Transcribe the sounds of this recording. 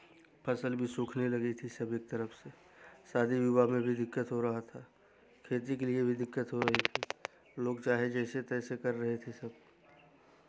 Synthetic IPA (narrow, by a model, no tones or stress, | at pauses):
pʰɐsəlbʱisoːkʰnelɐɡit̪ʰisɐbɪk̚t̪ɐɾəfse | saːd̪ʱiʋjubamẽbʱid̪ɪkːət̪ɦoɾɐɦat̪ʰa | kʰeːt̪̬ikeliebʱid̪ɪkːət̪ɦoɾɐɦit̪ʰiː | loːɡt͡ʃaːɦed͡ʒɛːset̪ɛːsekɐɾːɐɦet̪ʰesɐb̚